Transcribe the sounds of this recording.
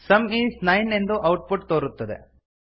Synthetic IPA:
sɐmiːsnɐjne̞nd̪uʔɐwʈ̚puʈ̚t̪oːɾut̪ːɐd̪e̞̰

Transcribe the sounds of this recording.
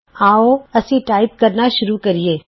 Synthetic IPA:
aːoɐsiʈaːɪp̚kɐɾnaʃʊɾukɐɾieː

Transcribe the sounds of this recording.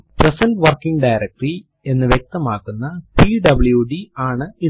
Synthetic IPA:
presɐnɖʋɐrkːiŋɡɖajɾɐk̚ʈri | e̞nːɨʋjek̚t̪ɐmaːkːunːɐpiɖɐbɨɭjuɖiaːɳɨi

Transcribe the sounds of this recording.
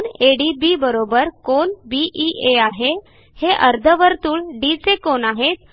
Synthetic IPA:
neɽibibəɾobəɾkonbiʔiʔeaɦe | heʔəɾd̪ʱəʋəɾt̪uːɭɖisekonaɦet̪̚

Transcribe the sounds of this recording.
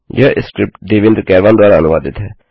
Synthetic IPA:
jaːʔɪskɾɪp̚ʈɖeːʋɪ̃nd̪ɾkɛːɾʋaːnd̪ʊaːɾaənʊʋaːd̪ɪt̪ɦɛː

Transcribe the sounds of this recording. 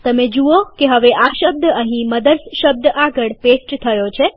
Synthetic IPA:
t̪əmed͡ʒuokeɦəʋeʔaʃəb̚d̪əɦĩməd̪əɾsʃəb̚d̪aɡəɭpesʈt̪ʰəjot͡ʃʰe

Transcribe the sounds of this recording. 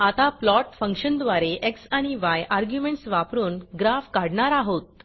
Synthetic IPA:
at̪aplɔʈfə̃ŋkɕənd̪ʋaɾeʔeksaɽ̃iʋajʔaɾɡjumeɳʈsʋapɾuːnɡɾafkaɽɳaɾaɦot̪̚

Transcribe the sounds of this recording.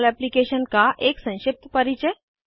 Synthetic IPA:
læplikeɕənkaʔeksə̃w̃ɕip̚t̪pəɾit͡ɕə

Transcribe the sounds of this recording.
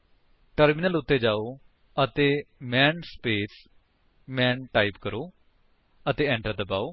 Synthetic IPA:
ʈəɾmɪnəlʊt̪ːeːd͡ʒaːoː | ət̪eːmɛːnspeːs | mɛ̃ːnʈaːipkəɾoː | ət̪eːɛ̃ːɳʈəɾd̪əbaːoː

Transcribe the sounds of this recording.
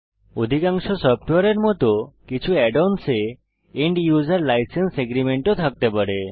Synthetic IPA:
od̪ʱikaŋsɔsɔp̚ʰʈaɾeɾmɔt̪ɔkit͡ʃʰuɛɖonse | iɳɖjuzaɾlajsenseɡɾimeɳʈot̪ʰak̚t̪epaɽe

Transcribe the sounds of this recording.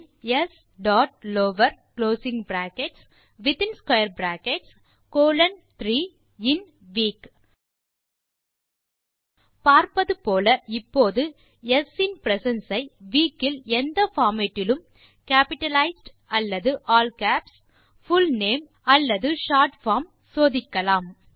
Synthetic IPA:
ɛs | ɖaːʈ̚loːʋɐɾkloːsɪŋɡbɾaːkɛʈs | ʋɪt̪ɪnskwɐjɐɾbɾaːkɛʈs | koːlɐnt̪ɾiː | ɪn | ʋiːk | paːɾpɐðɯpoːlɐɪpːoːðɯ | ɛsɪnpɾɛsɐnsɐɪʋiːkːɪlɛnd̪ɐfaːmɛʈːɪlɯm | kaːpɪʈɐlɐɪsɖ | ɐlːɐðɯʔaːlkaːps | fʊlneːm | ɐlːɐðɯʃaːɾʈfaːɾm | soːðɪkːɐlaːm

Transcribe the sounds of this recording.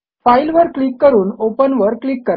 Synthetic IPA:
failʋəɾklikːəɾuːnopənʋəɾklikːəɾ

